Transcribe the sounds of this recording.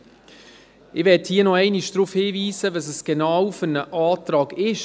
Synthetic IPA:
ɪʋɛthiːənɔɛɪniʃd̥ɾuːfhiːviːsəʋɑsəsɡ̥enɑːwfʏɾnəʔɑːtɾɑːɡɪʃ

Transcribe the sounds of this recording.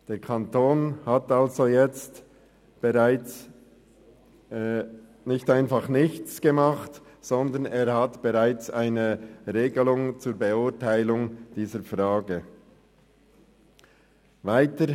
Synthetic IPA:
d̥eːɾkʰantʰoːnhatalzojɛt͡st | b̥eʁaɪt͡s | nɪçtaɪnfaχnɪçt͡sɡ̥emɑχtz̥ɔndəneːɾhatb̥eʁaɪt͡saɪnəʁeːɡəlʊŋt͡suːɾbeʊtaɪlʊŋd̥iːzəɾfʁaːɡə | vaɪtə

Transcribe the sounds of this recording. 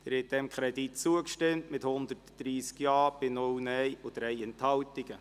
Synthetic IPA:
dɛɾhɛt̚d̥ɛmkʰχɾɛditt͡suəkʃtɪmtmɪthʊnd̪ətd̥ɾiːskjɑːb̥ɪnʊwnɛjʊd̥̪ɾɛɪɛnthɑltɪɡ̥ə

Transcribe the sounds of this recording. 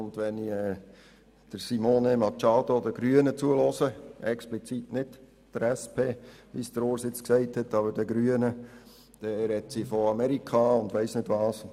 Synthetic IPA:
ʊndʋɛniɛ | d̥əɾsimoːnemɑt͡ʃɑːdodəɡɾyːənət͡suəlosəɛksplit͡sitnɪt | d̥əɾæspʰeːʋisd̥əɾoːɾsɪt͡sksɛɪthɛtːɑːbəɾd̥əɡɾyːənə | d̥ɛɾɛtsifoɑmɛɾikʰɑʊndʋæɪsnɪdʋɑːs

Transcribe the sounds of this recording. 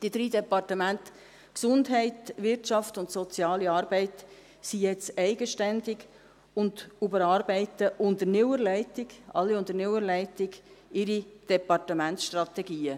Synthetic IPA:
d̥id̥ɾiːdɛpɑrtəmænt | ksʊndɦɛɪtʋɪɾtʃɑftʊntsɔt͡sjɑːliɑːɾbɛɪt | sijɛt͡sɛɪɡəʃtændɪɡ | ʊndubəɾɑːɾbɛɪtəʔʊndənɪwəɾlɛɪtɪɡʔɑ̰lːiʊndəɾnɪwəɾlɛɪtɪɡɪɾid̥ɛpɑrtəmæntsʃtrɑt̪ɛɡiːə

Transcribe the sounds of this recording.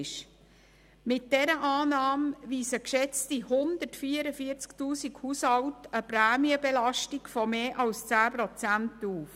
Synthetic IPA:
ʃ | mɪt̚dɛɾəʔɑːnɑːmʋiːsəkʃɛt͡stihʊnd̪ətfiːəɾəfiət͡sktuːsikhushɑwtəpɾæːmiəbɛlɑʃtikfɔmeːʔɑlst͡sæːpɾɔt͡sæntuːf

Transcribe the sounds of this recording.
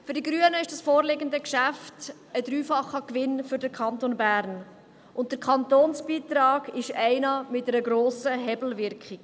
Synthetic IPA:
fʏɾdiɡɾyːənəɪʃd̥ɑsfoːɾlɪɡəndəkʃæft | ədɾyːfɑχːəkʋɪnfʏɾdəɾkʰɑntonbæːɾn | ʔʊntd̥əɾkʰɑnt̪oːnsb̥iːt̪ɾɑːɡɪʃɛɪnɑmɪt̚dɛɾəɡɾoːsəɦɛbl̩vɪɾkχɪk

